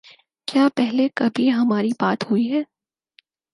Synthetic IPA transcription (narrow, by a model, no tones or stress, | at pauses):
kjaːpɛɦlekɐbʱiɦɐmaːɾibaːt̪huiɦɛː